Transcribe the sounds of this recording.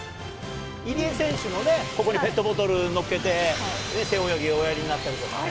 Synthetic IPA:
iɾʲiesẽ̞ɰ̃ɕɨmo̞ne̞ko̞ko̞ɲ̟ipe̞t̪ːo̞bo̞t̪̬o̞ɾɯ̟no̞kːe̞t̪e̞nese̞ojoɡʲiojaɾʲiɲ̟inat̪ːaɾʲit̪o̞ka̰

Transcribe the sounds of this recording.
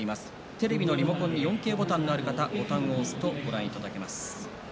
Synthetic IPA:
imasɨ̥ | t̪e̞ɾe̞bʲino̞ɾʲimo̞kõ̞ɲ̟ːijõ̞ŋke̞ːbo̞t̪ãnːo̞aɾɯ̟kat̪aɡo̞t̪ãɰ̃o̞ːsɨ̥t̪o̞ɡo̞ɾãɰ̃it̪ad̪ake̞masɨ̥

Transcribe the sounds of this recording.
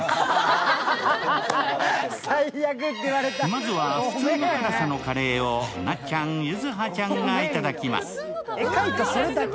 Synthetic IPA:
saijak̬ɯt̪ːeiβaɾet̪amazɨβaɸɯ̥t͡sɨːnokɯɾasano̞kaɾe̞ːonat͡ɕãŋjɯzɨɦat͡ɕãŋɡait̪ad̪akʲima̰sɨ̥ | ekãŋkasoɾɯt̪ak

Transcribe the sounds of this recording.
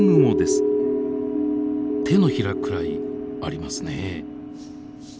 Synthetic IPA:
ŋɯmo̞d̪e̞sɨ̥ | t̪ʰe̞no̞çiɾakɯ̟ɾaiaɾʲimasɨne

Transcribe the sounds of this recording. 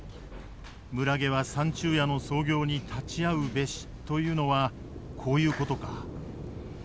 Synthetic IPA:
mɯ̟ɾaɡe̞β̞asãɲ̟t͡ɕɨːjano̞so̞ːɡʲo̞ːɲ̟it̪ʰat͡ɕiaɯ̟be̞ɕi̥t̪o̞jɯ̟ːno̞βa | kʰo̞ːjɯ̟ːko̞t̪o̞ka

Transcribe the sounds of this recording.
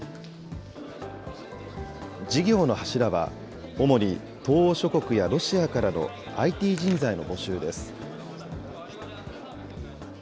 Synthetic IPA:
d͡ʑiɡʲo̞ːno̞haɕiɾaβa̰ | o̞mo̞ɾʲi | t̪o̞ːɕo̞ko̞kɯ̟jaɾo̞ɕiakaɾano̞̰ | ait̪ʲiːʑĩnd͡zaino̞bo̞ɕɨːd̪e̞sɨ̥

